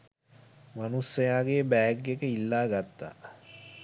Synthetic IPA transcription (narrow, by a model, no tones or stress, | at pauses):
manusːɐjaːɡeːbɛːɡːekəilːaːɡat̪ːa̰